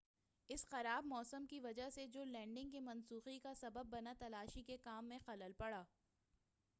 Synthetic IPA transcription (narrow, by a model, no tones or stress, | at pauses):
ɪsxɐɾaːbmɔːsəmkiʋɐd͡ʒaɦsed͡ʒoːlɛ̃ːɳɖɪ̃ŋɡkimɐ̃nsuːxikasɐbəb̚ːɐnat̪ɐlaːʃikekaːmːẽxɐləlpɐɽaː